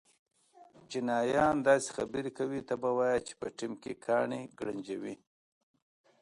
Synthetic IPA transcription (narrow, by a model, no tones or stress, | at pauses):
t͡ʃinɑjɑnd̪ɑse̥xa̰bəɾikawit̪abawɑjat͡ʃe̥pəʈimkekʰɑɳeɡɽaɲd͡ʒawi